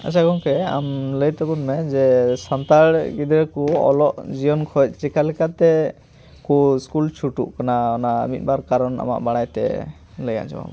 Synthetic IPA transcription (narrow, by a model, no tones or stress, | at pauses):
a̰t͡ʃʰakɔŋkɛa̰mləjt̪ɔbɔnmɛd͡ʒɛsant̪aɽɡid̪ɾɛkuɔ̰lɔʔd͡ʒijɔnkʰɔt̪̚ˀt͡ʃikalɛkat̪ɛ | kuskult͡ʃʰuʈuʔkanaɔnamit̪̚ˀbaɾkaɾɔna̰ma̰ʔbaɽajt̪ɛ̰ | ləja̰ʔt͡ʃɔ̰ma̰bɔ